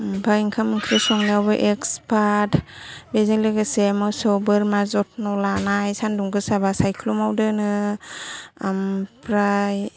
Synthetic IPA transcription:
mbʰaiŋkʰamɯŋkʰɾɯsɔŋniawbɯʔekspʰatbezikleɡɯsemɯsɔbɯɾmazɔt̚nɔlanajsanduŋɡɯsabasajkʰlumawdɯnɯ | ampʰɾaj

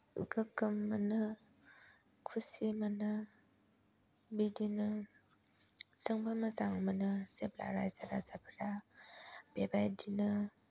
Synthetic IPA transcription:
ɡɯkɯmːanɯ | kʰusimanɯ | bidinɯ | sɯŋbamɐzaŋmanɯseb̚la̰ɾa̰jzaɾazabəɾa | b̥ebajdinɯ

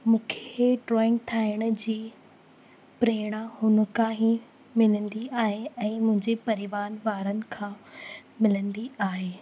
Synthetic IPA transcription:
mũːkʰeʈɾɔːɪ̃ŋɡ̚t̪ʰaːɪɽ̃ʊ̆d͡ʑiː | pɾeːɽ̃ahʊnə̆kãːɦi | mɪlə̃nd̪iaːɦeɛ̃ːmʊ̃ɦɪ̃ɲd͡ʑepɐɾɪʋaːnʋaːɾənɪ̆kʰãːmɪlə̃nd̪iaːɦeː

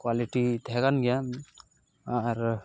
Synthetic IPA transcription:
kwaliʈit̪ɛɡanɡɛja | aɾ

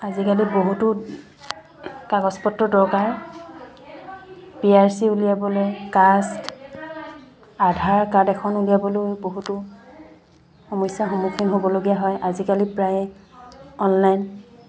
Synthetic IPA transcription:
azikaliboɦutʊ | kaɡɔspɔtːɹɔdɔɹkaɹ | piaɹsiulijabɔlojkast | adʱaɹkadɛkʰɔnulijabɔlojboɦutʊ | xomɔjsaxomukʰinɦobɔloɡijaɦɔjʔazikalipɹaj | ɔnlajn

